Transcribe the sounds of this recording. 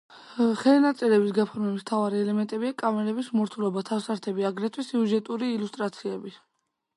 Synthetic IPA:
χɛlnat̪sʼilɛbisɡapʰɔɾmɛbist̪ʰavaɾiɛlɛmɛnt̪ʼɛbiakʼamɛɾɛbismɔɾt̪ʰulɔbat̪ʰafsaɾt̪ʰɛbiaɡɾɛt̪ʰwisiuʒɛt̪ʼuɾiːlust̪ʼɾat̪sʰiɛbi

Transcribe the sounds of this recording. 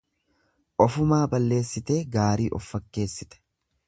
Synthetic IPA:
ʔɔfʊmaːbɐlːe̞ːsːɪt̪e̞ːɡaːɾiːʔɔ̰fːɐkːe̞ːsːɪt̪ɛ̥

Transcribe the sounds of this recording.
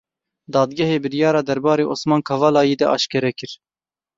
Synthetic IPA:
d̪ɑːd̪ɡɛɦeːbɨɾjɑːɾɑːd̪ɛɾbɑːɾeːʔoːsmɑːnkʰɑvɑːlɑːjeːd̪ɛʔɑ̰ːʃkɛɾɛkɨɾ

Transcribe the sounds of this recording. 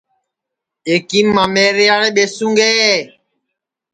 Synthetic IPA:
ekimamɛɾeaɾɛɓesuŋɡɛ

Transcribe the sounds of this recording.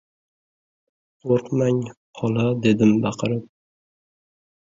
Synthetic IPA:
qʰoɾqmaŋqʰɒlˠad̪e̞d̪ɪmbɑqʰɨɾɪp̚

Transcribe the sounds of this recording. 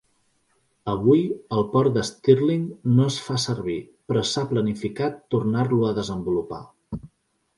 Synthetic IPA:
əβujəlˠpɔɾd̪əst̪irliŋnoəsfasəɾβipɾɔsaplənifikat̪ːurnaɾluəðəzəmbulupa̰

